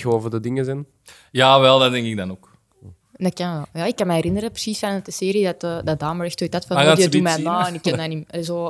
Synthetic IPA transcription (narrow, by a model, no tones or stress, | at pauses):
xoːvədədɪŋəzɛn | jaːʋɛlˠdatdɛŋkɪɡ̚danoːk | ndakanjaːɪkːanmɛɛɾɪnəɾəpə̥siːsfanət̚dəseːɾidatədad̪aːməɹɛxtoːdatfanadipumɛnaːɛnɪkːɛdanimɛlzoː